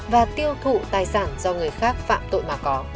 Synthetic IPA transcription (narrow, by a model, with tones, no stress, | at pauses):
vaː˨˩t̪i˧əwt̪ʰṵ˧˨t̪aː˨˩jsaː˧˩nzɔ˧ŋɨ˨˩əjxaː˦˥k̚fa̰ː˧˨mt̪o̰˧˨jmaː˨˩kɔ˨˦